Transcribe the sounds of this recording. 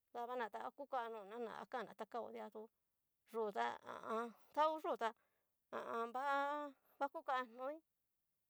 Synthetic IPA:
ða˧βa˦nã˨t̪a˧˦ku˦ka˧nũ˨nã˦nã̰˨a̰˧˦ka˦˨nã̰˨t̪a˧˦ka˦o̰˧˨ðja˧t̪u˧ | ʐu˨t̪a̰˦ã̰˨ʔã˧t̪a˦u˦ʐu˦˨t̪a˧ | ã̰˨ʔã˧mba˦ʔ | βa˦ku˦ka˧n̥õ˦ĩ˦

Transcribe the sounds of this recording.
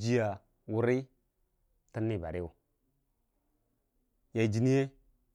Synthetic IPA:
d͡ʒi˦ja˨ | wu˦ɾi˦ | tə˦nːi˦ba˨ɾi˦u˨ | ja˨d͡ʒi˨ni˦je˦

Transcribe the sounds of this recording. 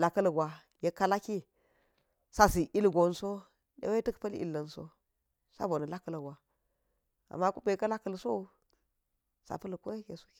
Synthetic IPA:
la˨kə˦lɡʷwa˨ | je˦kːa˦la˦ki˦ | sa˦si˨ʔi˦lɡo˨nso˦ | dḛ˦we˦tə˦kpə˦lḭ˨lːə˨nso̰˦ | sa̰˦bo˨na˨la˦kːə˦lə˨ɡʷa˨ | a̰˨mːa˦ku˦be˨˦ka˦la˦kə˨lso˦u˦ | sa̰˨pə˦lkʷe˦je˦su̥˦˨˦

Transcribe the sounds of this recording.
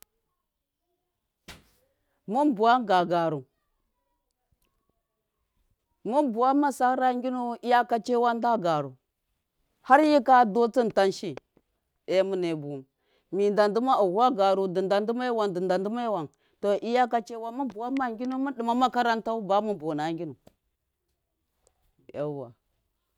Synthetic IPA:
mu˦nbu˨wa˦ɡa˨ɡa˨ɾu˨ | mu˦nbu˨wa˦ma˦sa˦ɾa˦ŋɡʲi˦nu˦i˦ja˦ka˦t͡ʃe˦wa˦nda˦ɡa˨ɾu˨ | ha˦ɾji˦ka˦do˦t͡si˦nta˦nʃi˦ | e˦mu˦ne˨bu˨m | mi˨nda˨ndu˦ma˦u˨ɣa˦ɡa˨ɾu˨di˨nda˨ndu˦ma˦wa˨ndə˨nda˨ndu˦ma˦wa˨n | to˨ʔi˦ja˦ka˦t͡ʃe˦wa˦mu˦bu˨wa˦ma˦ŋɡʲi˦nu˦mu˦ɗi˨ma˦ma˦ka˦ɾa˦nta˦u˦ba˨˦mu˦nbo˨na˨˦ŋɡʲi˦nu˨ | ja̰˨˦wa̰˨

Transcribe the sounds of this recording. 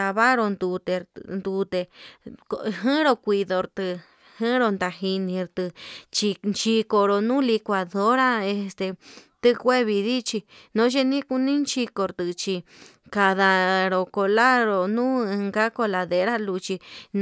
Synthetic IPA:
a˧βa˦ɾo˧nd̪u˧t̪e˧nd̪u˧t̪e˧kɦɨ̃˦ɾo˧kʷi˧ðo˧ɾt̪ɨ˧ | hɨ̃˦ɾo˧nd̪a˧ɦi˧nĩ˧ɾt̪ɨ˧t͡ʃi˧nt͡ʃi˧ko˧ɾo˧nũ˦li˧kʷa˧ðo˦ɾa˦e˧st̪e˧t̪ɨ˦˧kʷe˦βi˧ði˦t͡ʃi˧nõ˨˦ʃ̬e˦nĩ˦ku˧nĩ˦nt͡ʃi˧ko˧ɾt̪ɨ˧t͡ʃi˧ | ka˧ða˧ɾo˨ko˧la˦ɾo˧nũː˦ɨ˧ŋɡa˦ko˧la˧ðe˧ɾa˦lu˧t͡ʃi˧n

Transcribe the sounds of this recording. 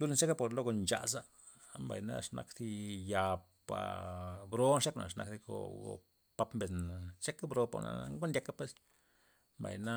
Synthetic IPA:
lu˦la˧t͡ʃe˦ka˦po˨ɾlo˦ɡo˧nt͡ʃa̰˨sa˦ | mba˨jna̰˦ʂna̰˧kd̪i˦ja˧ | pa̰˨bɾo˦nʂe˦kna̰˨ʂna˧kd̪i˧ɡo̰˧ɡo̰˨ | pa˧˦pmbe˨nt͡ʃe˦ka˦bɾo˧pa̰˨na̰˨ŋɡo˦ndʲa˧ka˦pe˦s | mba̰˨jna˦

